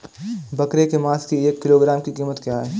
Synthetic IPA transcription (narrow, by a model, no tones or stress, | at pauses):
bɐkɾekemãːskieːkːɪloːɡɾaːmkikiːmət̪kjaɦɛː